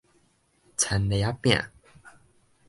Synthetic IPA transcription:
t͡sʰa˨˦nle˨˦a˦pj̃ã̰˨

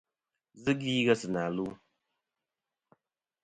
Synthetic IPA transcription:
zɨ˦ɡiː˦ɡa˦sɨ˨na˨lu˦

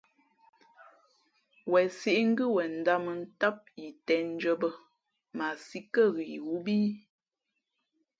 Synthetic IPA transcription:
wɛ˨si˦ʔŋ̩˦ɡɨ˦wɛ˨n̩˨da˦mə˨n̩˦ta˦p̚ji˨tɛ˨˦n̩˦d͡ʒə˦bə˦ | ma˨si˦kə˦˨ɣi˨wu˦biː˦

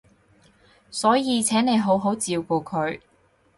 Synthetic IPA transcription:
sɔː˨˥jiː˨˧t͡sʰɛː˨˥ŋne˨˧jɦo˨˥wɦo˨˥wt͡siː˧wkoː˧kʰɵ˨˧˥ɥ

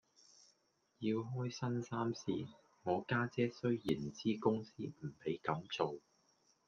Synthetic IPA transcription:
ji˧wɦɔː˥jsɐ˥nsaː˥msḭː˨˥ | ŋɔː˨˧kaː˥t͡sɛː˥sɵ˥ɥjiː˨˩nt͡siː˥kʊ˥ŋsiː˥m̩˨˩pe˨˥jkɐ˨˥mt͡so˨w

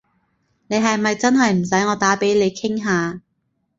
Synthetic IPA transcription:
ne˨˧jɦɐ˨jmɐ˨jt͡sɐ˥nɦɐ˨jm̩˨˩sɐ˨˥jŋɔː˨˧t̪aː˨˥pe˨˥jle˨˧jkʰɪ˥ŋɦaː˨˧

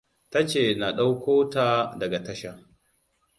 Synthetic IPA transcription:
ta˦t͡ʃeː˨na˨ɗa˦wkʷoː˦taː˨dɐ˨ɡa˨tɐ˦ʃa˨

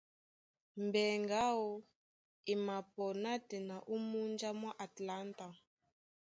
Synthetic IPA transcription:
mbɛ˨ŋɡa˦wɔ˦ | i˨ma˨pɔ˨na˦tɛ˨na˨ʔu˦mu˦nd͡ʒa˦mwa˦ʔa˨tla˦nta˨

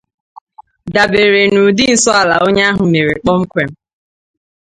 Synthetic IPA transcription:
da˨be˨ɾe˨nu˨dɪ˦n̩˨sɔ˦a˨la˨o˦ɲa˦ɦʊ˨me˨ɾe˨k͡pɔ˦ŋ͡m̩˦kʷe˨m̩˦

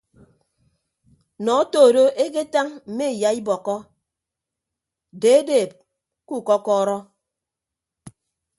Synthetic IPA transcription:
nɔ˨o˦toː˦˨ɾo˦ʔe˦ke˦ta˦ŋm̩˨me˦˨ja˨i˦bɔ˨kɔ˦ | deː˨˦e˦deː˨p̚ | ku˦˨kɔ˦kɔː˦ɾɔ˦

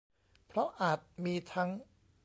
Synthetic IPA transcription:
pʰɾɔ˦˥ʔaː˨˩t̪̚miː˧t̪ʰa˦˥ŋ

